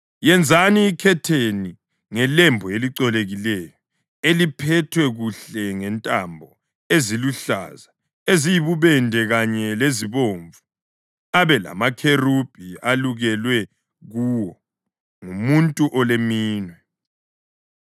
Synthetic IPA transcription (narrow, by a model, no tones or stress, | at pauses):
jɛnd͡zʱaniːkʰɛtʰeni | ŋɛlɛmbʱɔeliǀɔleɣilɛjɔ | elipʰɛtʰwɛɣuɬɛŋɛntʼambʱɔ | eziluɬa̰ːza | ezijiβuβɛndʱɛɣaɲɛleziβoːɱvu | aβɛla̰makʰerub̥ʱialuɣɛlwɛ | ɣuwɔ | ŋumuntʼuʔɔlemiːnwɛ